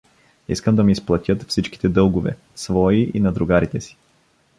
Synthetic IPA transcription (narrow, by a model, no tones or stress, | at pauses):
ḭskəmd̪ɐmiːsplˠɐt̪ʲɤt̪fsit͡ʃki̥t̪ɛd̪ɤlˠɡʊvɛ̰ | svɔiʔḭnɐd̪ɾʊɡaɾit̪ɛsi̥